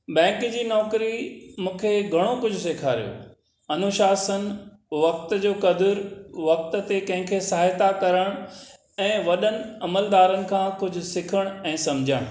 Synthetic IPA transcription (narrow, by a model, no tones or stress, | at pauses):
bɛ̃ːkd͡ʑiːnɔːkɾimũːkʰeɡʱɐɽ̃okʊd͡ʑʱʊseːkʰaːɾḭjo̰ | ɐnʊʃaːsənɪ̆ | ʋɐk̚t̪d͡ʑoːkɐd̪əɾʋɐk̚t̪̆t̪ekɐ̃ɦɪ̃kʰesaɦːjt̪akɐɾəɽ̃ | ɛ̃ːʋɐɗənɪ̆ɐməld̪aːɾənɪ̆kʰãːkʊd͡ʑʱʊ̆sɪkʰəɽ̃ɛ̃ːsɐ̃md͡ʑʱəɽ̃